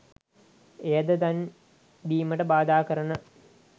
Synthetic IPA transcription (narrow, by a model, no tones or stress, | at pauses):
eːɐd̪ət̪ɐn | biːməʈəbaːd̪aːkɐɾɐɳə